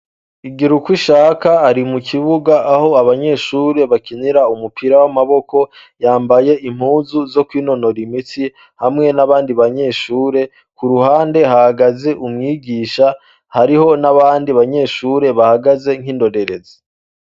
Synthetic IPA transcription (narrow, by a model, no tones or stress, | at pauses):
iɡiɾukwiʃaːkaaɾimukʰiβuɡaʔaho̞aβaɲe̞ːʃuːɾe̞βakiniɾaumupiɾawamaβo̞ko̞ | jaːmbaje̞im̥huːzuzo̞kwiːno̞no̞ɾimiti | hamŋe̞naβaːndiβaɲe̞ːʃuːɾe̞ | kuɾuhaːnde̞hahaɡaze̞ʔumŋiːɟiːʃa | haɾiɦo̞naβaːndiβaɲe̞ːʃuːɾe̞βahaɡaze̞ŋ̥hindo̞de̞ɾe̞zi̥